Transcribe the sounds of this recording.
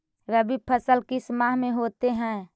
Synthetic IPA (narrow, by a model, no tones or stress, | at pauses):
ɾəbipʰəsəlkismaɦmẽɦot̪eɦɛ̃ː